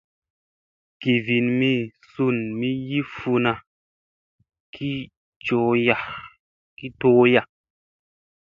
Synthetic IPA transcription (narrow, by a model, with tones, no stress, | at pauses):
ki˨vi˨nmi˦˨su˦˨nmi˦ji˦fu˧na˧ | kʰi˦ | t͡ʃo˨˦ja˨ | ki˦toː˦ja˨